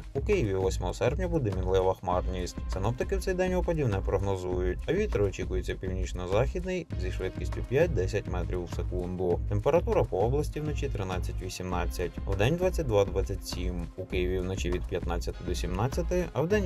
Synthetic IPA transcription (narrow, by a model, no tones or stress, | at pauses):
ukɪjiʋʲiwʋɔsʲmɔɦɔsɛrpnʲɐbud̪ɛmʲinlˠɪʋɐxmɑrnʲisʲtʲsɪnɔp̚t̪ɪkɪwt͡ssɛjd̪ɛnʲɔpɔdʲiwnɛpɾɔɦnɔzujʊtʲɐʋʲit̪ɾɪɔt͡ʃikʊjet͡sʲːɐpʲiwnʲit͡ʃnɔzɑxʲid̪nɪjzʲiʃʋɪt̪kʲisʲtʲʊpʲjat̚ʲd̪ɛsʲɐtʲmɛt̪ɾʲiwsekund̪ʊt̪empeɾɐt̪uɾɐpɔɔblˠɐsʲtʲiwnɔt͡ʃit̪ɾɪnɑt͡sʲːɐtʲʋʲisʲimnɑt͡sʲːɐtʲɐ̰wd̪ɛnʲd̪ʋat͡sʲːɐt̚ʲd̪ʋɑd̪ʋɑt͡sʲːɐtʲsʲimukɪjiʋʲiwnɔt͡ʃiʋʲid̪̚pʲjɐt̪nɑt͡sʲːɐt̪ɪd̪ɔsʲimnɑt͡sʲjɐt̪ɪɐwd̪ɛnʲ